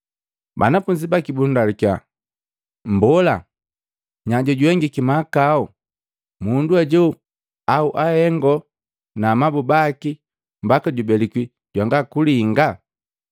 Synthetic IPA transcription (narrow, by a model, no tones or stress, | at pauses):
ba̰nafuɲd͡ʒibakibundalikja | m̩bɔla̰ | ɲaɟɔɟuɛŋɡikimakaɔ | munduaɟɔ | auʔahɛŋɡɔ | naːmabubaki | mbakaɟubɛliki | ɟwaŋɡakuliŋɡa